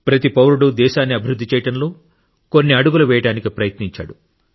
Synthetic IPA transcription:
pɾɐt̪ipɐwɾuɽud̪ɛːʃaːnːiɐbʱiɾud̪ːit͡ʃɛːjɐʈɐnlo̞ː | ko̞nːiɐɽuɡuluʋɛːjɐʈaːnikipɾɐjɐt̪niɲt͡ʃa̰ːɽu

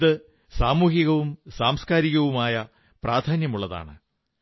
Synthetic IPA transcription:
ðɨ | saːmuːhiɣɐʋumsaːmskaːɾiɣɐʋumaːjɐ | praːd̪ʰʱaːnjɐmuɭːɐða̰ːɳɨ̰

